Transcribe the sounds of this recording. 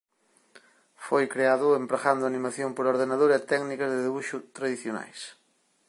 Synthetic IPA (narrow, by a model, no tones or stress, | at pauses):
fojkɾeaðʊempɾaɣand̪ʊanimaθjompoɾoɾðenaðoɾɛt̪ɛɡnikɐzðeðiβuʃʊt̪ɾaðiθjona̰js